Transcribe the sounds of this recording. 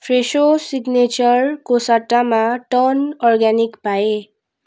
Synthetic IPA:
fʰɾeʃosiɡnet͡ɕəɾkosaʈamãʈɔnɔɾɡɛnikpae

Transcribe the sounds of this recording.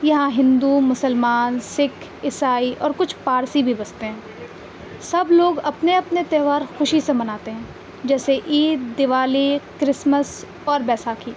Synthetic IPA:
jɐɦãɦɪ̃nd̪umʊsəlmaːnsɪkʰ | ɪsaːiʔɔːɾkʊt͡ʃʰpaːɾsibʱibɐst̪eɦɛ̃ː | sɐbloːɡɐpneɐpnet̪ɛːʋaːɾxʊʃisemɐnaːt̪eɦɛ̃ː | d͡ʒɛːseʔiːd̪ːɪʋaːlikɾɪsməs | ɔːɾbɛːsaːkʰiː

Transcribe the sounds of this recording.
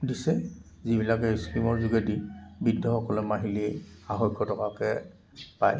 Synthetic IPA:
disɛ | zibilakɛiskɹimɔɹzuɡadibidːɔxɔkɔlɔmaɦili | axɔjkʰːɔtɔkakɛ | paj

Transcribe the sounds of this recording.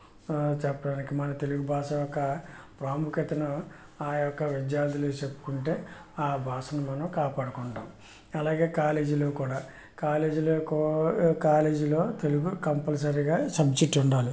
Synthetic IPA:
t͡ʃɛpːɐɖaːnikimɐnɐt̪e̞luɡubʱaːʂɐjɔkːɐpɾaːmukɐt̪ɐnu | aːjɔkːɐʋid̪jaːɾd̪ulet͡ʃepːu̥kuɳʈe̞ːaːbʱaːʂɐnumɐnɐmkaːpaːɽukɔɳɖaːm | ɐlaːɡe̞ːkaːle̞ːd͡ʒilo̞ːkuːɽaː | kaːle̞ːd͡ʒiloːkkaːle̞ːd͡ʒilo̞ːt̪eluɡukɐmpɐls̬ɐɾiɡaːsɐbt͡ʃiʈːuɳɖaːli

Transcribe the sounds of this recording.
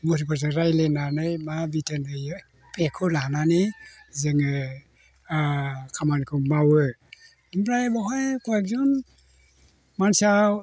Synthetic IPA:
muɾip̬ɔz̬ɯɾajlenanɯjmabitanɯjɯ | pekʰɯlaɦananizɯŋɯ | kʰamankʰɯmawɯ | ɯmɾajbɔɦɔjkɔjek̚zɔn | mansa

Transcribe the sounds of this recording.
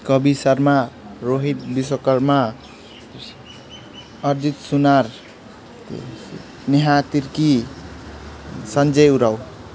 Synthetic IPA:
kʌbisʌɾmaɾoɦit̪̚bisɔkʌɾma | ʌɾd͡ʒit̪sunaɾ | niɦat̪iɾki | sʌnd͡ʒʌjuɾaw

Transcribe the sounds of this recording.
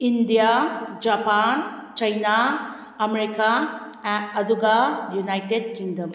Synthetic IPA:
ind̪ijaːd͡ʒɐpaːnt͡ʃɐjna | ɐmeɾika | ɐd̪uɡaːjunɐjʈeɖkiŋdɐm

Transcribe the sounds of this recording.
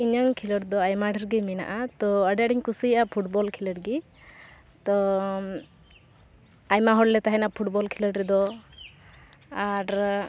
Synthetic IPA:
iɲəŋkʰiləɾd̪ɔajmaɖəɾɡimina̰ʔat̪ɔəɖɛaɖiɲkusijʔapʰuʈbɔlkʰiləʈɡi | t̪ɔ | ajmaɦɔɽlɛt̪aɦɛnapʰuʈbɔlkʰiləʈɾɛd̪ɔ | aɾ

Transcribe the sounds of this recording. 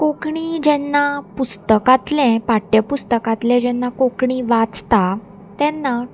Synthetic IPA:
kokɳid͡ʑɛnːapust̪əkat̪lɛ̃paʈjəpust̪əkat̪lɛ̃d͡ʑɛnːakokɳiʋat͡st̪a | t̪ɛ̃nːa

